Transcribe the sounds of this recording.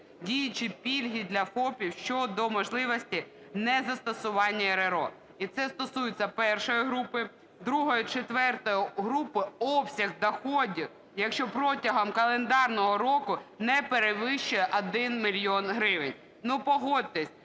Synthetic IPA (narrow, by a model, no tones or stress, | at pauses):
dʲijɪt͡ʃipʲilʲɦʲid̪lʲɐfɔpʲiwʃt͡ʃɔd̪ɔmɔʒlˠɪʋɔsʲtʲi | nɛzɐst̪ɔsʊʋɑnʲːɐeɾeɾɔ | it̪sɛst̪ɔsujɪt͡sʲːɐpɛrʃɔjiɦɾupɪ | d̪ɾuɦɔjʊt͡ʃet̪ʋɛrt̪ɔjɔɦɾupɪɔpsʲɐɣd̪ɐxɔdʲiw | jɐkʃt͡ʃɔpɾɔtʲɐɦɐmkɐlˠend̪ɑrnɔɦɔɾɔkʊnɛpeɾeʋɪʃt͡ʃʊjɛʔɐd̪ɪnmʲilʲjɔnɦɾɪʋɪnʲ | nupɔɦɔd̪ʲt̪ːesʲ